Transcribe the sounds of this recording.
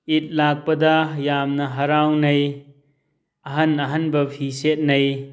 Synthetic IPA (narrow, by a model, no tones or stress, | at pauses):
it̚lak̚pɐdɐjamnɐɦɐɾawnɐj | ɐɦɐnɐɦɐnbɐpʰiset̚nɐj